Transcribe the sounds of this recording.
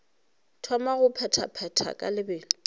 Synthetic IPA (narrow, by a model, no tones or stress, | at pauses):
tʰwamaɣʊpʰɛtʰa̰pʰɛtʰa̰kʼa̰lɪbɪːlɪ